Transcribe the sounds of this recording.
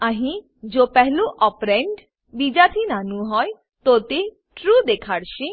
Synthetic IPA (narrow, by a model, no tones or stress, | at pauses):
aɦĩ | d͡ʑopɛɦluʔɔpɾeɳɖ | bid͡ʒat̪ʰinanũɦɔe | t̪ot̪e | ʈɾud̪ekʰaɾʃi